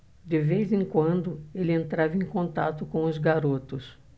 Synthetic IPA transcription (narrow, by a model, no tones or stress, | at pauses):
d̪ɪvezẽŋkwɐ̃nd̪ʊelɪẽnt̪ɾavɐẽj̃kõnt̪a̰t̪ʊkõʊzɡaɾot̪ʊs